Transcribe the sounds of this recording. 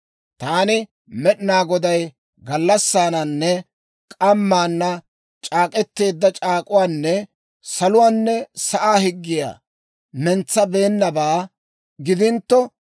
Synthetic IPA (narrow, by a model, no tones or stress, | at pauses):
t̪aːnɪ | mɛɗɪnaːɡɔd̪ɐj | ɡɐlːɐsːaːnɐnːɛ | kʼɐmːaːnːɐ | t͡ʃʼaːkʼɛt̪ːe̞ːd̪ːɐt͡ʃʼaːkʼʊwaːnːɛ | sɐlʊwaːnːɛsɐʔaːhɪɡːɪja̰ː | mɛnt͡sːɐbe̞ːnːɐbaː | ɡɪd̪ɪnt̪ːɔ